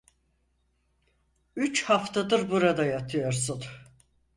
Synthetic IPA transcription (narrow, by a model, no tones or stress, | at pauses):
yt͡ʃhaft̪ʰad̪ɯɾbuɾad̪ajat̪ʰɯjo̞ɾsun